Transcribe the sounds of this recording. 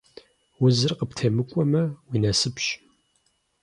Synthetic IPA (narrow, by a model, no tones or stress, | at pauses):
wʊzɨrqəptʰeːmɨkʷʼɔmɐwiːnɐsɨpɕ